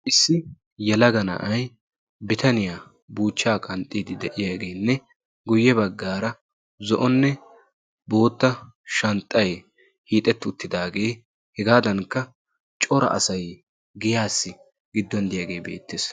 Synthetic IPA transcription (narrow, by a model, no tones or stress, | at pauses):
ʔɪsːɪ | jɛlɐɡɐnɐ̰ʔɐj | bɪt̪ɐnɪjaː | buːt͡ʃːaːkʼɐnt̪ʼːiːd̪ɪd̪ɛʔɪjaːɡe̞ːnːɛ | ɡʊjːɛbɐɡːaːɾɐ | zɔʔɔnːɛ | bo̞ːt̪ːɐ | ʃɐnt̪ʼːɐj | hiːt̪ʼɛt̪ːɪʊt̪ːɪd̪aːɡe̞ː | hɛɡaːd̪ɐnkːɐ | t͡ʃʼɔɾɐ̰ʔɐ̰sɐj | ɡɪjaːsːɪ | ɡɪd̪ːɔnd̪ɪjaːɡe̞ːbeːt̪ːes